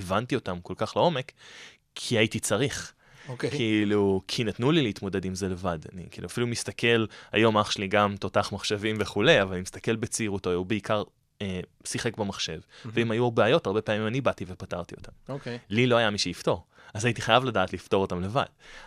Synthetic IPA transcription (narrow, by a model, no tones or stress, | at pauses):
evantio̞tamko̞lkaχlao̞me̞kʰ | iajitit͡saʁiχ | kkiilukʰinatnulileitmo̞de̞dimze̞le̞vada̰nḭkḭːluafilumist̪akʰe̞la̰jo̞maχʃliɡamt̪o̞taχmaχʃevimveχule̞javalanimist̪ake̞lbet͡seiʁutoubeikaʁ | e | siχekbemaχʃe̞vveimajuabeːjo̞taʁbe̞peamimanibativepataʁt̪io̞tamoklilo̞ajamiʃeifto̞ʁ | azaitiχajavladaːtlifto̞ʁo̞tamle̞va̰d̥